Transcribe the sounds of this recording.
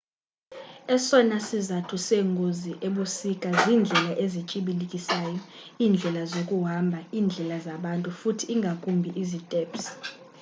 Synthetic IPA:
ɛsɔnasizatʰuseŋɡʱoziʔeɓusikʼaziːnd͡ɮʱɛlaʔezit͡ʃʼiɓilikʼisaːjɔ | iːnd͡ɮʱɛlazokʼuɦambʱaiːnd͡ɮʱɛlazaɓantʼufutʰiːŋɡʱakʼumbʱiʔizitʼɛːps

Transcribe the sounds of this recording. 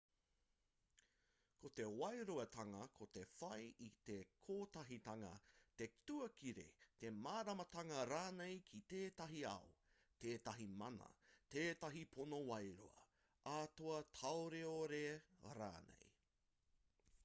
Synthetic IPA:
kʰot̪e̞wɐjɾoɐtɐŋɐkʰot̪e̞fɐjʔit̪ekʰoːtɐɦitɐŋɐ̰t̪e̞tuɐkiɾḛt̪e̞maːɾɐmɐtɐŋɐɾaːnejkʰit̪eːtɐɦiɐ̰o | t̪eːtɐɦimɐnɐ̰teːtɐɦipʰonowɐjɾoɐ̰ | ʔaːtoɐtʰɐwɾeoɾeɾa̰ːnḛj

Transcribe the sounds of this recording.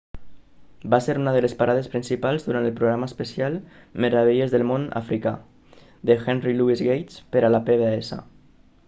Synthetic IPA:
baseɾunəðəlespaɾað̞espɾinsipalˠzðuɾant̪əlˠpɾoɣɾaməspesialˠ | meɾaβeʎezðəlˠmona̰fɾika | d̪exɛnriluizɣejt̪spəɾalapeβeesa̰

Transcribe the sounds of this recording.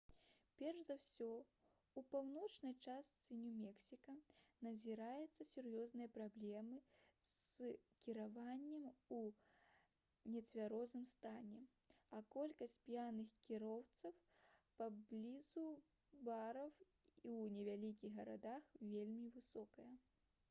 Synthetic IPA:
pʲɛrʂzawsʲɔ | upawnɔt͡ʂnɐjt͡ʂast̪sɨnʲumʲɛksʲikɐnɐzʲiɾajɛt̪sːɐsʲurjɔznɨjɐpɾablʲɛmɨskʲiɾavanʲːɐmu | nʲɛt͡sʲvʲaɾɔznɨmst̪anʲɛ | ɐkɔlʲkɐsʲtʲt͡sʲpʲjanɨxkʲiɾɔwt̪sɐw | pablʲizu | baɾɐw | iwnʲɛvʲalʲik̬ʲiɣɣɐɾa̰d̪axvʲelʲmʲivɨsɔkɐjɐ

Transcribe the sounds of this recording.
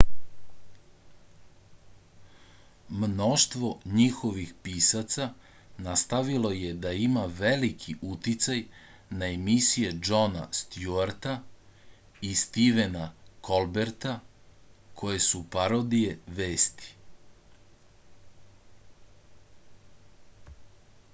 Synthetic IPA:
mno̞ʃt̪ʋo̞ɲixo̞ʋixpiːsat̪sa | nast̪aʋilo̞je̞d̪aimaʋelikʰiʔut̪it̪saj | naemisije̞d͡ʒo̞na̰st̪juaɾt̪a | ist̪iʋe̞nakʰo̞lbeɾt̪a | kʰo̞je̞supaɾod̪ije̞ʋeːst̪i̥

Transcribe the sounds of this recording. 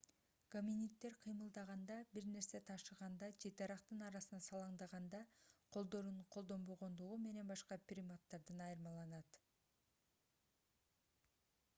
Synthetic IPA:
komʲinit̪ːe̞ɾqʰɨjmɯlˠd̪ɑʁɑnd̪ɑbiɾne̞ɾse̞t̪ʰɑʃɯʁɑnd̪ɑt͡ʃʰe̞t̪ɑɾɑqt̪ɯnɑɾɑsɯnɑsɑlˠɑɴd̪ɑʁɑnd̪ɑqʰo̞lˠd̪o̞ɾuɴqʰolˠd̪o̞mbo̞ʁo̞nd̪uʁume̞ne̞nbɑʃqɑpʲrʲimot̪ːɑɾd̪ɯnɑjɯɾmɑlˠɑnɑt̪

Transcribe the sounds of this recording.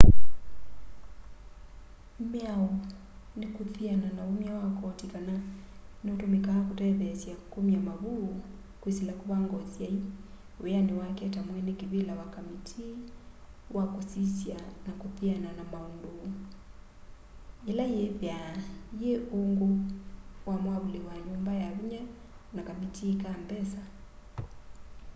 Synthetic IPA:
mjaɔ | nikuθiananaumiawakɔtikana | niutumikakutɛβɛsiakumiamaβu | kwisilakuβaŋɡɔsjai | ɛaniwakɛtamwɛnikiβilawakamitʰi | wakusisjanakupiananamaɔndu | ilajɛpjajeoŋɡo | wamwaβuliwaɲumbajaβiɲa | nakamitʰiːkaːmbɛsa

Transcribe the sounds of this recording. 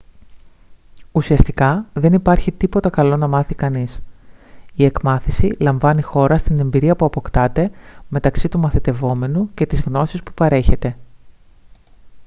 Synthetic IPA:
usiɐst̪ikɐðe̞nipɐɾçit̪ipo̞t̪ɐkɐlo̞nɐmɐθikɐnis | ie̞kmɐθisilɐɱvɐnixo̞ɾɐst̪ine̞mbiɾiɐpuɐpo̞kt̪ɐt̪e̞me̞t̪ɐksit̪umɐθit̪e̞vo̞me̞nuce̞t̪izɣno̞sispu̥pɐɾe̞çe̞t̪e̞

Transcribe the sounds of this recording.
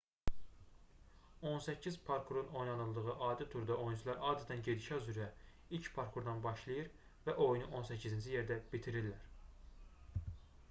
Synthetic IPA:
o̞nsæcʰːizpʰoɾkʰuɾuno̞jnɑnɯlˠd̪ɯɣɯʔɑːd̪it̪ʰuɾd̪ɑʔo̞junt͡ʃʰulˠɑɾɑːd̪æt̪ʰænɟe̞d̪iʃæyzyɾæ | ilcpʰɑɾkʰuɾd̪ɑnbɑʃlˠɯjɯɾ | væʔo̞junuʔo̞nsæcʰːizint͡ʃʰije̞ɾd̪æbit̪ʰiɾilːæɾ

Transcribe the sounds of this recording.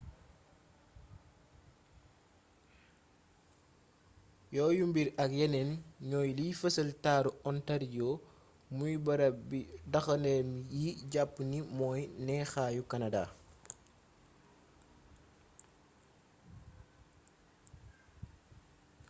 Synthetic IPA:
jɔːjumbiɾɐk̚jɛnɛnɲɔːjlifəsəltaːɾuɔntɐɾjɔ | mujbɐɾɐbidɐxɐndɛmjiɟapːnimɔːjnɛːxaːjukɐnada̰

